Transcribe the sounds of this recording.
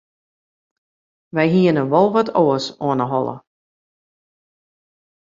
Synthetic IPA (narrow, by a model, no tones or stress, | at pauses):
ʋɛjɦiənəʋɔlˠʋɔtʰoəsoənəɦɔlˠə̰